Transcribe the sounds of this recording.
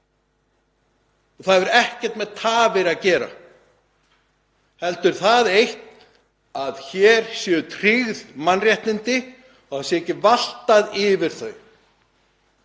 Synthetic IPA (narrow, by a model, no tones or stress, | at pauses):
θaðvɛɾɛhcɛ̥ɾ̥t̪mɛðt̪ʰaːvɪɾaðcɛːɾa̰ | hɛlt̪ʏɾ̥θaðejht̪n | aðçɛːɾ̥sjɛːðʏt̪ʰɾ̥iɣðmanrjɛht̪nɪnt̪ɪ | ɔasɛecːɪval̥t̪aðɪvɪɾ̥θœɥ